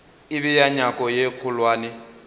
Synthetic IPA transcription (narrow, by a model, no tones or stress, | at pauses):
ɪβijaɲakʼɔjeq͡χʰʊlwaːnɪ